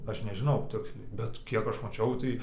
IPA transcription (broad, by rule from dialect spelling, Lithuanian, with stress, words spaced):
ˈɐʃ nʲɛʒʲɪˈnɐʊ ˈtʲɪksʲlʲɛɪ bʲɛt ˈkʲiɛk ˈɐʃ mɐˈt͡ʃʲɛʊ tɐɪ